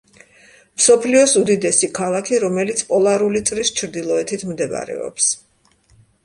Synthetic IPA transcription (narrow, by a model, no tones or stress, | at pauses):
msɔpʰliɔsud̪id̪ɛsikʰalˠakʰiɾɔmɛlit̪sʰpʼɔlˠaɾulit̪sʼɾist͡ʃʰɾd̪ilˠɔɛt̪ʰit̪ʰmd̪ɛva̰ɾɛ̰ɔ̰ps